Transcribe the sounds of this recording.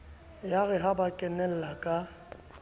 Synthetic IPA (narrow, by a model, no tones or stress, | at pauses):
jaɣɛɦabakʼɛnɛl̩lakʼa